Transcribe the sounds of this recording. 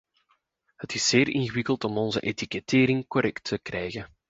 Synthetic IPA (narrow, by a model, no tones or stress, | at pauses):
hətɪsːeːrɪnɣəwɪkəlˠtɔmɔnzəʔetikɛteːɾɪŋkɔɾɛktʰːəkrɛjɣə